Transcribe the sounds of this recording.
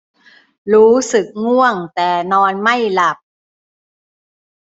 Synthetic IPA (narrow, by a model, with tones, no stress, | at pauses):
ɾuː˦˥sɯ˨˩k̚ŋu˥˩əŋt̪ɛː˨˩nɔː˧nma˥˩jla˨˩p̚